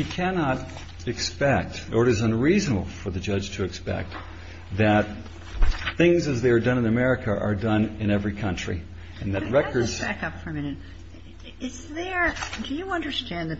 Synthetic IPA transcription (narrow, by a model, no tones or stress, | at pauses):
hikʰænɑɾ | ɨkspɛk̚tə˞ɨɾɨzə̃nɹiznəbl̩ˠfə˞ðɨd͡ʒʌ̥ʒ̥tʰɨɨkspɛ̰k̚t̪̚ | ðɨt̪̚ | θɪ̃ŋzɨzðeɪə˞dʌ̃nɨ̃nɨmɛɹɨkʰɨʔə̰˞dʌ̃nɨ̃ñɛvɹikʰʌ̃nt͡ʃɹ̥ḭ | ɨ̃nðɨt̚ɹɛkə˞z̥bækʌpfə˞ɨmɪ̃nɨt̚ | ɪsðə˞d̥ɨjɨʌ̃ndə˞stæ̃nðɨ